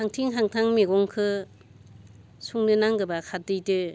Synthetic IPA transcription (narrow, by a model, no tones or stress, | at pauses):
haŋtʰiŋɦaŋtʰaŋmeɡɔŋkʰɯ | suŋnɯnaŋɡɯbakʰatɯjtɯ